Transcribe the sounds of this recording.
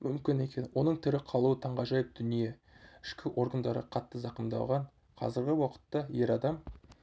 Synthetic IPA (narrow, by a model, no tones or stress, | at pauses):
mʏmkʲɪne̞kʲe̞nwʔo̞nəɴt̪ʰɪɾɪqʰɑlˠuət̪ʰɑɴʁɑʒɑjəp̚d̪̥ʏnije | ɪʃkʲɪʔo̞ɾɡənd̪ɑɾə̰qʰɑt̪ːəzɑqəmd̪ɑ̰wʁɑɴ | qʰɑ̰zɪɾɡʲɪwɑqə̥t̪ːɑje̞ɾɑd̪ɑm